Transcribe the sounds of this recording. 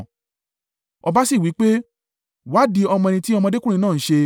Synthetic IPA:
ɔ˧ba˦si˦˨wi˨˦k͡pe˦ | wa˦di˦ɔ˧mɔ̃˧ñĩ˧ti˦ɔ˧mɔ̃˧de˦ku˦ɾĩ˧nãː˦˨˦ʃe˧

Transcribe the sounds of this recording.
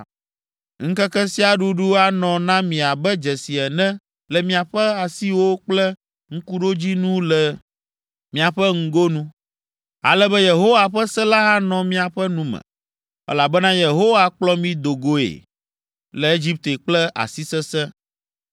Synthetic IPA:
ŋ̩˦kɛ˦kɛ˦si˦a˨ɖu˦ɖu˦a˦nɔ̃˨nã˦mĩ˨a˨bɛ˦d͡ʒɛ˨si˨ɛ˨nɛ̃˦ | lɛ˨mĩ˦a˨ɸɛ˦a˨si˦wo˦k͡plɛ˦ | ŋ̩˦ku˦ɖo˦d͡ʑi˦nũ˦lɛ˨ | mĩ˨a˨ɸɛ˦ŋ̩˦ɡo˦nũ˦ | a̰˨lɛ˦bɛ˦je˨ɦo˦wa˨ɸɛ˦sɛ˦la˦ɦa˦nɔ̃˨mĩ˦a˨ɸɛ˦nũ˦mɛ̰̃˨ | ɛ̰˦la˨bɛ˦nã˦je˨ɦo˦wa˦k͡plɔ˦mĩ˦d̪o˨ɡo˦ḛ˨ | lɛ˨e˦d͡ʑi˦p̚t̪e˨k͡plɛ˦a̰˨si˦sɛ˦sɛ˦

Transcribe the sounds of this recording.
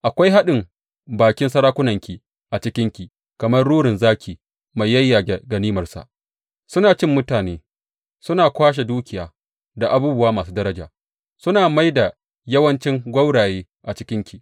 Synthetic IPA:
ʔa˨kʷa˦jɦa˦ɗɪ˨m | baː˨kʲɪ˦nsɐ˦ɾaː˦kʷʊ˦nɐ˨ŋkʲi˨ | ʔa˨t͡ʃɪ˦kʲɪ˦ŋkʲi˨ | kɐ˨mɐ˦rɽuː˦ɽɪ˨nzaː˦kʲiː˨ | ma˨jːɐ˦jːaː˨ɡɐ˨niː˦mɐ˨rsa̰˨ʔ | sʊ˦naː˨t͡ʃɪ˦mːʊ˦taː˨neː˦ | sʊ˦naː˨kʷaː˦ʃ̬e˨duː˦kʲʰɪ˨jaː˨ | da˨ʔa˨buː˦bʊ˦waː˦maː˨s̬uː˦dɐ˦ɾɐ˦d͡ʒa̰ː˨ | sʊ˦naː˨ma˦jda˨ | jɐ˦wɐ˦nt͡ʃɪ˦ŋɡʷɐ˦wɽaː˨jeː˦ | ʔa˨t͡ʃɪ˦kʲɪ˦ŋkʲi˨

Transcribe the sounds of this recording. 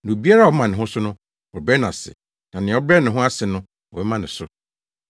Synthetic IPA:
ñ˨o˨bi˦a˦ɾa˦˨ɔ˨˦mã˨nɪ̃˨ʊ̃˦sʊ˦nʊ̃˦ | ɔ˨bɛ˦nã˨sɪ̰˨ | nã˨nɪ̃˨˦ɔ˦bɾɛ˦nɪ̃˨ɦʊ̃˦a˦sɪ˨nʊ̃˦ | ɔ˨bɛ˦mã˦nɪ̃˨sʊ˦

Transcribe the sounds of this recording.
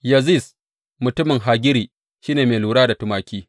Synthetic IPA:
jɐ˨zi˦˨s | mʊ˨tʊ˦mɪ˨ŋɦa˨ɡʲɪ˦ɾiː˨ | ʃiː˦neː˨meː˨luː˨ɽaː˦da˨tʊ˨maː˨kʲiː˦

